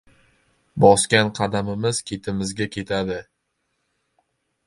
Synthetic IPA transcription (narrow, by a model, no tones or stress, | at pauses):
bɒskʲanqʰɑd̪amɪmɪz̥kʲʰe̞t̪ʰɪmɪzɡʲakʲʰe̞t̪ʰad̪ɪ